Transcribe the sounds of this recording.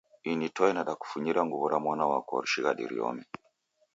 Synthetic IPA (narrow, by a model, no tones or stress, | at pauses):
initɔɛnaɗaku̥fuɲiɾaŋɡuβɔɾamwanawakɔ̰ɾuʃiɣaɗḭɾḭɔ̰mi